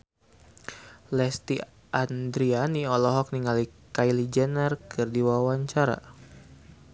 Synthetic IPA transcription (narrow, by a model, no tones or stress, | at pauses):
lɛst̪i | ʔand̪ɾianiɔlɔɦɔk̚niŋalikajlid͡ʒɛnərkɨrdiwawaɲt͡ʃaɾa̰